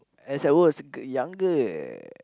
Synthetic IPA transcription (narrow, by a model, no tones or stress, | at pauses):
ɛsawɔsɡjaŋɡə